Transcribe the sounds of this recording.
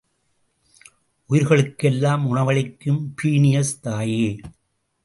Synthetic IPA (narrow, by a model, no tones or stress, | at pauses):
ʔʊjɪɾɣɐɭɯkːɛlːaːmʊɳɐʋɐɭɪkːɯmpiːnɪjɐst̪aːjeː